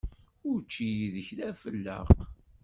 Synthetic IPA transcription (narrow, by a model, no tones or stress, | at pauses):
ʊɾt͡ʃːijiðəçlæfəlːə̰ʁ